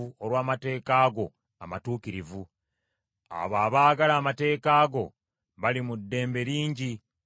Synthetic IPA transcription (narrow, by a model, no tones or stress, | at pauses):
uoɾwaːmate̞ːkaːɡo̞ | a̰matuːkiɾivu | a̰βaːβaːɡalaːmate̞ːkaːɡo̞̰ | βalimudːe̞ːmbe̞ɾiːɲɟi